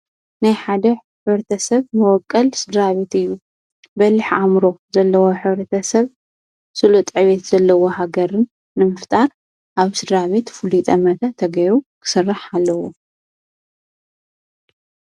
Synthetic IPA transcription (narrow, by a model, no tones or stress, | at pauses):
najħad̪ɐħɨβɾɐt̪ʰɐsɐβmɨwɔkʼːɐlsɨd̪ɾaβet̪ɨjːu | bɐlːɨħʕamɾo̞zɐlːɐwo̞ħɨβɾɐt̪ʰɐsɐβ | sɨlut̪ʼʕβet̪z̥ɐlːɐwo̞haɡɐɾɨnː | ɨmɨft̪ʼaɾ | ʔaβsɨd̪ɾaβet̪fulit̪ʼɐmɐt̪ʰat̪ʰːɐɡɐjɾukʰɨ̥sɨrːaħalːɐwo